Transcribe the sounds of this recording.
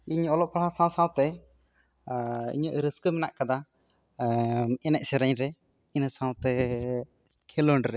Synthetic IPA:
iɲɔlɔʔ̚pʰaɦãsãw̃sãw̃t̪ɛ | ḭɲəʔɾəskəmɛna̰ʔkad̪a | ɛnɛʔ̚sɛɾaɲɾɛ | inəsãw̃t̪ɛ | kʰɛlɔɳɖɾɛ

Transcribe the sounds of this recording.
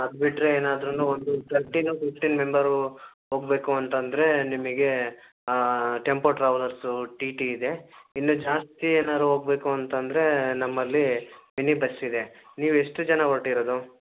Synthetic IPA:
ɐd̪biʈːɾeeːnaːd̪ɾunːuːond̪ut̪ʰɐɾʈinupifʈiːnme̞mbɐɾ | ɦo̞ːɡbe̞ːkuɐnt̪ɐnd̪ɐɾe̞nimɐɡe̞ | ʈempoʈɾɐʋlɐɾsuʈiːʈiːd̪e̞inːud͡ʒaːst̪ieːnaːd̪ɾuɦo̞ːɡbe̞ːkuɐnt̪ɐnd̪ɐɾe̞nɐmːɐlːiminibɐsːid̪eniːʋueʂʈud͡ʒɐnaɡoʈːiɾod̪u

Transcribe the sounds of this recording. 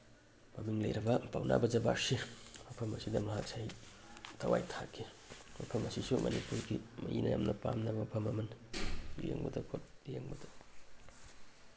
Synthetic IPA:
mamiŋlḛjɾɐbɐpawna̰bɐd͡ʒɐbasiwapʰɐmɐsidɐmɐɦasʰaj | tʰɐwa̰jtʰakʰi | wapʰɐmɐsisumɐ̰nipuɾɡimɐjinɐjamnɐpamnɐbɐpʰɐmɐmɐn | jḛŋbɐdɐkʰot̚jeŋbɐdɐ̥

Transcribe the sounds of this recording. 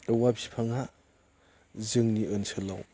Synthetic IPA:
wapʰipʰaŋa | zɯŋniɯnsʰɯla̰w

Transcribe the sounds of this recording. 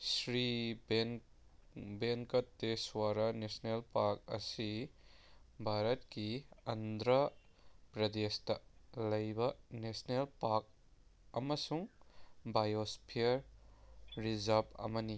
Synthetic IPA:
sɾibe | beŋkɐtːeswaɾɐnesnelpaɾk̚ɐ̰si | bʱaɾɐt̚kiɐndɾɐ | pɾɐdestɐlɐjbɐnesnelpaɾk̚ | ɐmɐsuŋbajospʰiɐɾ | ɾizɐɾbɐ̰mɐni

